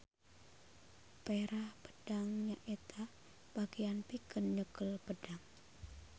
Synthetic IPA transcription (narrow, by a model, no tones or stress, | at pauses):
peɾahpə̥d̥aŋɲaʔet̪ʰa | b̥aɡijanpikənɲəkəlpəd̥aŋ